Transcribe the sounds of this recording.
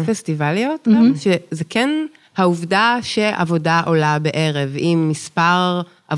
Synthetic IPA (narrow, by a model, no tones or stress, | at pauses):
festivalijotaʃezekʰɛn | hauvdaʃe̞ʔa̰vo̞daʔo̞labeʔeʁevimːispaʁ | ʔa̰